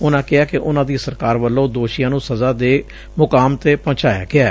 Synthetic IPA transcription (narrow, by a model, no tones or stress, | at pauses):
ʊnãːkɪaːkɪʔʊnãːd̪iːsəɾkaːɾʋəlːõːd̪oːʃɪjãːnũːsəzaːd̪eː | mʊkaːmt̪eːpɔ̃ːt͡ʃaːja̰ːɡɪaː